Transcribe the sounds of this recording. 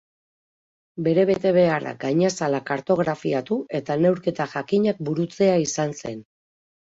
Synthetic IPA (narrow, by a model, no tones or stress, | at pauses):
be̞ɾe̞βe̞t̪e̞βe̞ara̰ɡajɲasalakaɾt̪o̞ɣɾafiat̪uʔe̞t̪ane̞wɾke̞t̪aʝakiɲak̚buɾut͡se̞aisanse̞̰n